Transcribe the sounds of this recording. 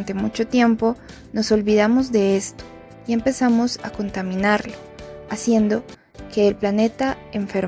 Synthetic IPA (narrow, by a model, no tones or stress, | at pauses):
nt̪emut͡ʃo̞t̪je̞mpo̞ | no̞so̞lβiðamo̞zd̪e̞e̞st̪o̥ | ie̞mpe̞samo̞sa̰ko̞nt̪amĩnaɾloasje̞nd̪o̞ | ke̞ːlplane̞t̪a | eɱfeɾ